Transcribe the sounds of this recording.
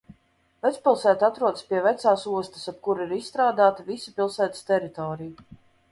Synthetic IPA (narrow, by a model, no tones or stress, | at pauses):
vɛt̪spʲilˠsæːt̪at̪ɾuɔd̪spʲiɛvɛt̪saːsuɔst̪ə̥sap̚kuɾiɾisst̪ɾaːd̪aːt̪avisipʲilˠsæːt̪ə̥st̪ɛɾit̪ɔːɾiju